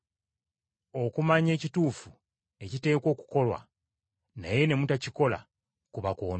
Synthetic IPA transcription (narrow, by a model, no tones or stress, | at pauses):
o̞kumaɲe̞ːcituːfu | e̞cite̞ːko̞ːku̥ko̞lwa̰ | na̰je̞ne̞mutaciko̞la̰ | kuβakwoːn